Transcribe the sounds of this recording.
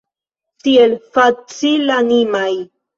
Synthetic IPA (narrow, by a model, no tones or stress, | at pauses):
t̪ielfat͡silanimaj